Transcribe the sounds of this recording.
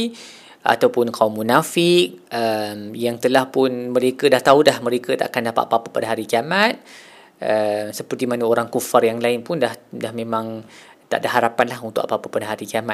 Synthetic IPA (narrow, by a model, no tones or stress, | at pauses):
ʔa̰t̪awpʊnkʰaumːunafɪk̚əmjaŋt̪əlahpʊnmə̃ɾekədaht̪audahmə̃ɾekət̪a̰ʔakandapa̰ʔpapəpadaɦaɾiɡiamat̪̚ | əmsəpərt̪imanəoɾaŋkufarjaŋlaɪnpʊndahdahmẽmãŋ | t̪a̰ʔdaɦaɾapanlaɦunt̪ukʔapəapəpadaɦaɾiɡiama